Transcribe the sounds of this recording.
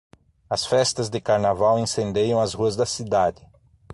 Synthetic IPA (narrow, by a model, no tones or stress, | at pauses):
ɐsfɛst̪ɐzd̪ɪkaɾnavawẽsẽnd̪ejɐ̃w̃ɐzhuɐzd̪ɐsid̪ad̪ɪ